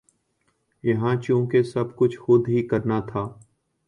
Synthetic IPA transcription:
jɐɦãːt͡ʃũːkesɐb̚kʊt͡ʃʰxʊd̪ɦikəɾnat̪ʰaː

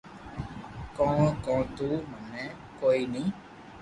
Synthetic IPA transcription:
kɔ̃ːkɔ̃ːt̪uːmənɛː | koːiːnĩː

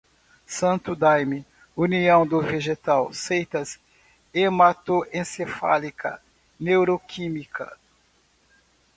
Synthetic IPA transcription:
sɐ̃nt̪ʊd̪ajmɪ | uniɐ̃w̃d̪ʊveʒet̪awsejt̪ɐs | emat̪oẽsefa̰likʰɐ̰ | newɾokʰimikɐ̰

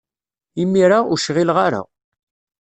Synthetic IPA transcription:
imiɾauʃʁilʁaɾa̰

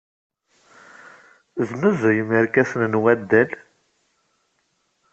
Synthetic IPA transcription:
ðnuzəjmiɾkæsənnwæd̪ːæl

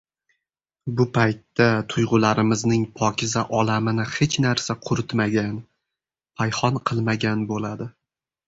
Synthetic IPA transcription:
bʊpʰajt̪ːat̪ʰʊjʁʊlaɾɪmɪznɪŋpʰɒkʲʰɪzaʔɒlamɪnɪhe̞t͡ʃnaɾsaqʰʊɾʊt̪maɡʲan | pʰajhɒnqʰɨlˠmaɡʲanbolad̪ɪ

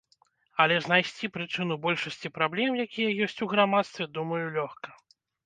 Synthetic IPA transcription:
ɐlʲɛznajsʲt͡sʲipɾɨt͡ʂɨn̪ubɔlʲʂɐsʲt͡sʲipɾablʲɛmjakʲijɐjɔsʲt͡sʲuɣɾamat̪st̪vʲɛd̪umɐjulʲɔxkɐ

